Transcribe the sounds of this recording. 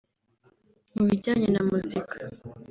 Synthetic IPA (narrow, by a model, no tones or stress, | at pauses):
muβiɟaːɲenamuzikḁ